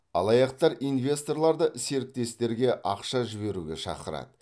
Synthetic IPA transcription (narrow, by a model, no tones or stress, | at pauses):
ɑ̰lˠɑjɑqt̪ɑɾijnvʲe̞st̪o̞rlˠɑɾd̪əse̞ɾɪk̚t̪e̞st̪e̞ɾɡʲe̞ʔɑqʃɑʒɪβe̞ɾuɡʲe̞ʃɑ̰qəɾɑ̰d̪ə